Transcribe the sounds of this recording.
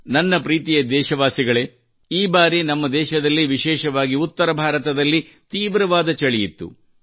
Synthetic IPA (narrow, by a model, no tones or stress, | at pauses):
nɐnːɐpɾiːt̪ijɐd̪ɛːʃɐʋaːsiɡɐɭe | iːbaːɾinɐmːɐd̪ɛːʃɐd̪ɐlːiʋiʃɛːʃɐʋaːɡiut̪ːɐɾɐbʱaːɾɐt̪ɐd̪ɐlːi | t̪iːʋɾɐʋaːd̪ɐt͡ʃɐɭijit̪ːṵ